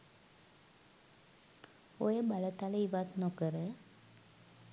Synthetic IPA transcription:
ojebalət̪aləiʋat̪nokəɾə

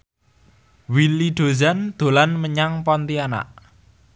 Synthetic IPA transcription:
wiliɖ̪̥o̤zand̪̥o̤lanməɲaŋpɔnt̪iana̰ʔ

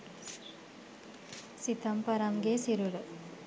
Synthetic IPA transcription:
sit̪ʰɐmpɐɾɐmɡesiɾuɾə

